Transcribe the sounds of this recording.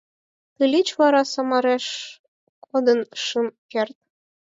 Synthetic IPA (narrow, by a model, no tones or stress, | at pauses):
t̪ɨlʲit͡ɕβɑɾɑsɑmɑɾeʃ | kʰod̪ənʃɯmkert̪̚